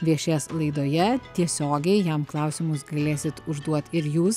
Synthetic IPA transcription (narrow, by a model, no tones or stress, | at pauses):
ʋʲiɛʃʲeːslˠɐɪd̪oːjɛt̪ʲiɛsʲoːɡʲɛɪjɛmklˠɐˑʊsʲɪmʊsɡɐlʲeːsʲɪt̪ʊʒd̪uɔt̪ɪɾjuːs